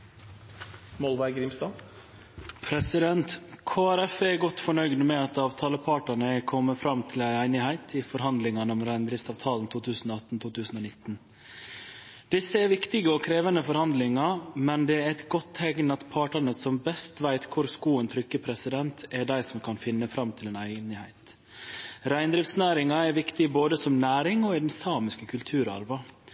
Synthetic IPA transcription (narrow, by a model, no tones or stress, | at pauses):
mɔlʋæɪɡɾɪmst̪ɑː | pʰɾɛsɪd̪ɛnt̪kʰoːæɾɛfɛɾɡɔt̪ːfɔɳœʏɡd̪mɛɑt̪ɑːʋt̪ʰɑːləpʰɑːʈɑɳəɛkʰɔmːəfɾɑmt̪ʰɪlæɪæɪnɪhæɪt̪ʰɪfɔɾhɑnd̪lɪŋɑnəɔmɾæɪnd̪ɾɪftsɑːʋt̪ʰɑːlnt̪ʰuːt̪ʰʉːsn̩ɔːɑt̪n̩t̪ʰuːt̪ʰʉːsn̩oːnɪt̪ːn | d̪̥ɪsːəɛɾʋɪkt̪ɪɡəɔkʰɾeːʋənəfɔɾhɑnd̪lɪŋɑmɛnd̪ɛɾɛt̪ɡɔt̪ʰːɛɡnɑt̪pʰɑːʈɑɳəsɔmbɛst̪ʋæɪt̪kʰʊɾskuːənt̪ʰɾʏkːəpʰɾɛsɪd̪ɛnt̪ɛɖæɪsɔmkʰɑnfɪnːəfɾɑmːt̪ʰɪlɛnæɪnɪhæɪt̪ | ɾæɪnd̪ɾɪːft̪snæːɾɪŋɑɛɾʋɪkt̪ɪboːd̪əsɔmnæːɾɪŋɔɪd̪ɛnsɑːmɪskəkʰʉlt̪ʰʉːɾɑ̰ɾʋɑ